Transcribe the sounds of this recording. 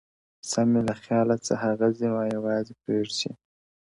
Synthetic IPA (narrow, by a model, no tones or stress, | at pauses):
samelaxjɑːlat͡sə̰haɣazimɑjawɑːzepɾeːʐsḭ